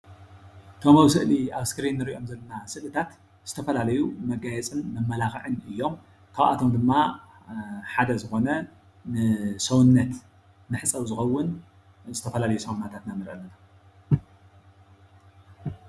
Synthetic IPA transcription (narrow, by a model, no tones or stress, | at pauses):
t̪ʰomɐwsɨʔliaβskɾinːɨɾiʔo̞mzɐlːɐnasɨlɨt̪ʰat̪ | z̥ɨt̪ʰɐfɐlalɐjumɐɡajɛt͡sʼɨnmɐmːɐlaxɨʕɨnɨjːo̞m | kʰaβʔa̰t̪ʰo̞md̪ɨmːa | ħad̪ɐzɨxo̞nɐ | nɨsɐwnːɐt̪ | nɨħɨt͡sʼɐwzɨxɐwːʊn | zɨt̪ʰɐfɐlalɐjusɐwunːat̪ʰat̪nanɨɾʔɐlːɐna